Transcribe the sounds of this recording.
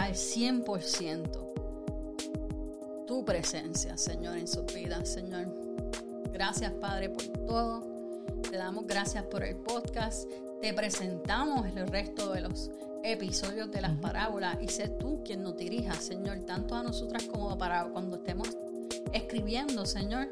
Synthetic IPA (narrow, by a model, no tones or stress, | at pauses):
alsje̞mpo̞ɾsje̞nt̪o̞ | t̪upɾe̞se̞nsja̰se̞ɲo̞ɾensubiðase̞ɲo̞ɾ | ɡɾasjaspaðɾe̞po̞ɾt̪o̞ðo̞ | t̪e̞ðamo̞zɡɾasjaspo̞ɾe̞̰lpo̞d̪kas | t̪e̞pɾe̞se̞nt̪amo̞selrest̪o̞ðe̞lo̞s | e̞piso̞ðjo̞zðe̞laspaɾʔaβo̞lasiset̪ukjenːozd̪iɾiɦasːe̞ɲo̞ɾt̪ant̪oano̞so̞t̪ɾasko̞mopaɾakwand̪oest̪e̞mos | e̞hkɾiβje̞nd̪o̞se̞ɲo̞ɾ